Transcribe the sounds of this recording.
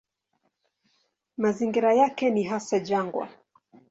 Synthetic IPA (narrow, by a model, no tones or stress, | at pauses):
maziŋɡiɾajakɛniɦasad͡ʒaŋɡwa̰